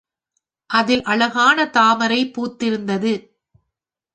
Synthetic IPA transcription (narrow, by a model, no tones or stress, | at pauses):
ʔɐðɪlʔɐɭɐɣaːnɐt̪aːmɐɾɐɪpːuːt̪ːɪɾɯnd̪ɐðɯ